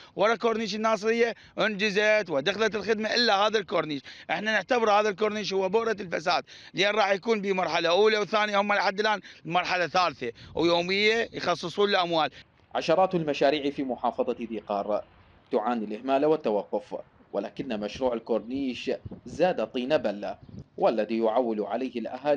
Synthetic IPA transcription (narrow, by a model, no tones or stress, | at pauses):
wɑɾˤɑkoːɾˤniːʃ̬ɪnːɑːsˤɾɪjːa | ʔʊnd͡ʒɪzat̪wɪd̪axlat̪lxɪd̪maʔɪlːahaːðalkoɾˤniːʃʔɪħnanɪʕt̪abɪɾhaːðalkoːɾniːʃ̬hʊwːabʊʔɾɑlfa̰saːd̪̥ljeːnɾˤɑːħjakuːnbimɑɾˤħalaʔuːlawθaːnjahʊmːalaħad̪ːɪlʔaːnlmɑɾˤħalaθaːlθawjoːmɪjːajxɑsˤːɨsˤuːnɪlʔamwaːl | ʕaʃɑɾˤɑːt̪ɪlmaʃaːɾiːʕifimʊħɑːfɑðˤɑd̪iːqɑːɾˤ | t̪ʊʕaːnilʔɪhmaːlawɪt̪ːawɑqːʊf | wɪlaːkɪnːamaʃɾuːʕɪlkoɾˤniːʃzaːd̪at̪ˤiːnabalːa̰wʔalːaðijʊʕawːɪlʕa̰laːhɪlʔa̰haːl